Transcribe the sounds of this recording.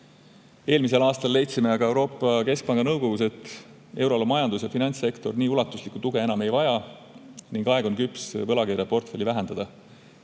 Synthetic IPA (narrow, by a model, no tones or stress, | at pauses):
e̞ːlmis̬e̞lɑːst̪ɑlːe̞jt̪sime̞ɑɡ̥ɑe̞wɾo̞ːpːˑɑke̞sk̚pɑŋɡ̥ɑnɤwɡ̥o̞ɡuse̞t̪ːˑ | e̞wɾo̞lumɑjɑnd̪usjɑfinɑnʲt̪se̞kt̪o̞rniːulɑt̪ːˑuslikːut̪uɡe̞enɑme̞jvɑjɑ | niŋɡɑeɡ̥onkypˑsvɤlɑkeɾjɑpo̞rt̪fe̞lʲːivæɦe̞nd̪̥ɑd̪ɑ